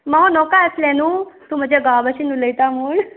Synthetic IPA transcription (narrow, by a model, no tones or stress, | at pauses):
maonɔkaəslɛnuːt̪uːm̤əd͡ʑʱjaɡabəɕinũləjt̪amuːɳ